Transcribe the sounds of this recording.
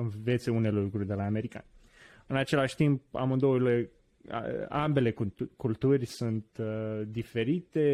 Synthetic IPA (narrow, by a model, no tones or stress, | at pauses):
ɨnve̞t̪seune̞lukɾurʲd̪e̞laːme̞ɾika̰n | ɨnat͡ʃe̞laʃʲt̪imp̚a̰mɨnd̪olḛ | ambe̞le̞kkult̪urʲsunt̪d̪ife̞ɾit̪e̞